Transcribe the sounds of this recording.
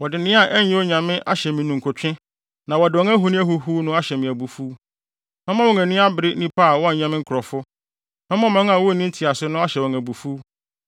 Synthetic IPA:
wɔ˨dɪ˨nɪ̃˦a˦˨ʔɛ˦ɲ˦ɛ̃˦o˦ɲã˨mɪ̃˦ʔa˦ɕɛ˨mĩ˨nʊ̃˨ŋ̩˨kʰɔ˨t͡ɕᶣɪ̃˦ | nã˨wɔ˨dɪ˨ɔ˦ŋæ̃˦ɦu˨˦nɪ̃˦æ˦ɦu˨ɦu˦nʊ̃˦a˦ɕɛ˨mɪ̃˨æ˨bu˨fuː˦ | mɛ̃˦mã˦wɔ˨ŋæ̃˨nĩ˦a˦bɪ˨ɾɪ˦nĩ˦pʰa˦˨wɔ˦˨ɲã˨mɪ̃˦ŋ̩˦kʰʊ˨ɾɔ˨fʊ˦ | mɛ̃˦mã˦m˨ɛ̃˦ŋ˦ã˨wɔ˦˨nĩ˦n̩˦tʰi˨a˨sʊ˦nʊ̃˦a˦ɕɛ˨wɔ˨ŋæ˨bu˨fu˦

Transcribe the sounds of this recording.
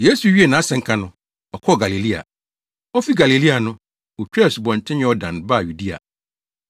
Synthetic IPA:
je˦su˨ɥi˦e˨nã˨˦sɛ̃˨ŋ̩˦kʰã˨nʊ̃˦ | ɔ˨kʰɔ˦˨ɡa˨li˨li˦a̰˨ | ɔ˦fi˦ɡa˨li˨li˦a˨nʊ̃˦ | wo˨t͡ɕᶣɛ˦˨sbɔ̃˨n˨tʰɪ̃˦ɲɪ̃˦ɔ˦dã̰˨nba˦˨ju˨di˦a̰˨

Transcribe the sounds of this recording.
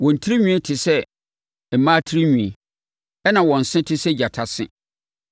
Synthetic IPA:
wɔ̃˨n̩˨tʰi˦ɾi˦ɲᶣũ˦e˦tʰɪ˨sɛ˦ | m̩˨mã˦tʰi˦ɾi˦ɲũ˨i˨ | ɛ˦nã˨wɔ̃˨n̩˨sɪ̃˦tʰɪ˦sɛ˦d͡ʑa˨tʰa˦sɪ̰̃˦

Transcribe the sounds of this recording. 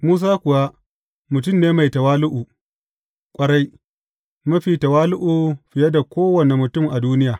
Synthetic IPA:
muː˦s̬aː˦kʷʊ˨wa˦ | mʊ˨t̬ʊ˦mneː˦ma˨jtɐ˨waː˦lʊ˦ʔu˨ | kʷʼɐ˦ɽa˦j | mɐ˦ɸiː˨tɐ˨waː˦lʊ˦ʔuː˨ɸɪ˨jɐ˦da˨kʷoː˦wɐ˨ne˨mʊ˨tʊ˦˨mʔa˨duː˦nɪ˦jaː˨

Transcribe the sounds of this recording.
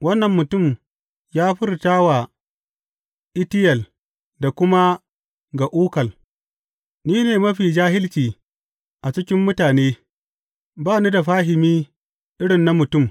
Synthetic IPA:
wɐ˦nːɐ˨mːʊ˨tʊ˦˨m | jaː˦ɸɪ˦rtaː˦wa˨ | ʔɪ˦tɪ˦jɐ˨l | da˨kʷʊ˦ma˦ | ɡa˨ʔuː˦kɐ˨l | niː˦neː˨mɐ˦ɸiː˨d͡ʒaː˦hɪ˦lt͡ʃiː˨ | ʔa˨t͡ʃɪ˦kʲɪ˦mːʊ˦taː˨neː˦ | baː˦ni˦da˨ɸaː˦ɦɪ˨miː˦ | ʔɪ˦ɽɪ˨nːa˦mʊ˨tʊ˦˨m

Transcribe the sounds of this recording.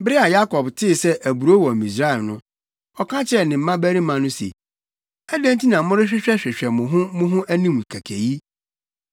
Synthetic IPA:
bɾɪ˦a˨ja˦kɔ˨btʰɪ˦˨sɛ˦ʔæ˨bu˨ɾo˦wɔ̃˨mi˨s̬ɾa˦ɛ˨lnʊ̃˦ | ɔ˦kʰã˦t͡ɕʰɪ˦ɛ˦˨nɪ̃˨m̩˨˦mã˦bæ˦ɾi˦mã˨nʊ̃˦sḛ˨ | æ˦dæ̃˦n˦ti˦nã˨˦mʊ̃˦ɾɪ˦ɕᶣɪ˦ɕᶣɛ˦ɕᶣɪ˨ɕᶣɛ˨mʊ̃˨ɦʊ̃˦mʊ̃˦ɦʊ̃˦ʔæ˦nĩ˦m˨kʰæ˨kʰæ˨ji˦

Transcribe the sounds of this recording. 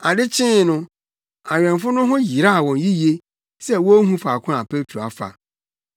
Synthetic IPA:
a˨dɪ˦t͡ɕʰɪ̃˦nʊ̃˦ | a˨ɥᶣɛ̃˨mfʊ˦nʊ̃˦ɦʊ̃˦ji˨ɾa˦˨wɔ̃˨nji˦je˦ | sɛ˦wɔ˦ɦũ˦fa˨kʰʊ̃˦a˨pʰe˦tʰɾo˨a˨fa̰˨

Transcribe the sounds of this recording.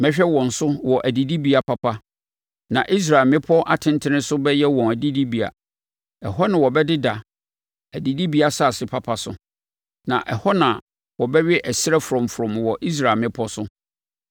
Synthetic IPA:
mɛ̃˦ɕᶣɛ˦wɔ̃˨n̩˨sʊ˦wɔ˨ʔæ˨di˨di˦bi˦a˨pʰa˨pʰa˦ | nã̰˨ʔi˦s̬ɾa˨lmɪ̃˦pʰɔ˦ʔa˨tʰɪ̃˦ntʰɪ˦nɪ̃˦sʊ˦bɛ˦jɛ˦wɔ̃˨næ˨di˦di˦bi˨a̰˨ | ɛ˨ɦɔ˦nɪ̃˨wɔ˨bɛ˦dɪ˦da˨ | æ˨di˨di˦bi˦a˨sa˦˨sɪ˨pʰa˦˨pʰa˦sʊ̰˦ | nã˨ʔɛ˨hɔ˦nã˨ | wɔ˨bɛ˦ɥɛ˦ʔɛ˨sɪ˦ɾɛ˦fɾɔ̃˨m˨fʊ˨ɾɔ̃˨mwɔ˨ʔi˦s̬ɾa˨mɪ̃˦pʰɔ˦sʊ˦

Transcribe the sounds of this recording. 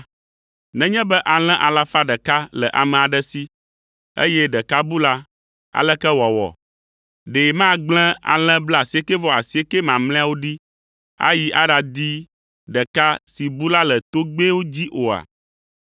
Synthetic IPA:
nɛ̃˦ɲɛ̃˦bɛ˦ʔa˨l̃ɛ̃˦ʔa˨la˦fa˦ɖɛ˨ka˦lɛ˨ʔa̰˨mɛ̃˨a˨ɖɛ˦si˦ | ḛ˦jɛ˦ɖɛ˨ka˦bu˦la˦ | a̰˨lɛ˦kɛ˦wɔ˨wɔ̰˨ | ɖe˨mã˦ɡ͡blɛ̃˦a̰˨l̃ɛ̃˦bla˨si˨˦e˦ke˦vɔ˦a˨si˨˦e˦ke˦mã˨mlɛ̃˦a˦wo˦ɖi˦ | a̰˦ji˦ʔa˦ɖa˨d̪i˦ | ɖɛ˨ka˦si˨bu˦la˦lɛ˨t̪o˦ɡ͡be˦wo˦d͡ʑi˦ʔo˨a̰˨

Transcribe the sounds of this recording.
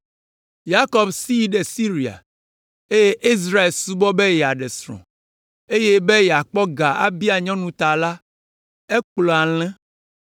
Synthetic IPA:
ja˦kɔ˦bsi˦i˦ɖe˨si˦ɾi˨a̰˨ | e˦je˦ʔi˦zɾa˦e˨lsu˦bɔ˦be˦jɛ˨a˨ɖɛ˨sɾɔ̰̃˨ | e˦je˦be˦jɛ˨a˨k͡pɔ˦ɡa˨a̰˨bi˦a˨ɲɔ̃˦nũ˨t̪a˨la˦ | e˦k͡plɔ˨a˨l̃ɛ̃˦

